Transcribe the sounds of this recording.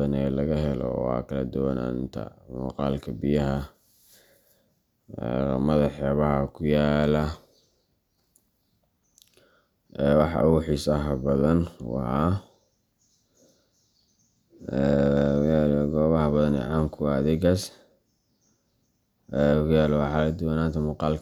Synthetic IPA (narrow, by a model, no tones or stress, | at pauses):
ɐnɛːlɐɣɐɦɛlɔ̰a̰kʰɐlɐd̪ʊwɐna̰nɪnt̪ʰɐ̰mʊ̰qɑːlkʰɐbɪjɐɦɐ | ɛ̰ːrmɐðɑħjaːβɐɦɐkʰʊjaːlɐ | ɛːwɑħɑ̰ʔʊħiːsɐɦɐbɐðɐnwɑ̰ha | ɛalɡɔːβɐhɐbɐðɐnɛ̰ʕɑːŋkʰʊðɪɡɐs | ʔɛkʰʊjaːlwɑħɑlɐd̪ʊwɐnaːnt̪ʰɐmʊːqɑːlkʰ